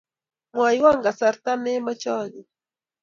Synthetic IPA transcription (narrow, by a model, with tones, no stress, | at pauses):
mwa˨jwa˦ŋɡa˨sa˨ɾt̪a˦nɛ˦ma˦t͡ʃɔ˦ni˨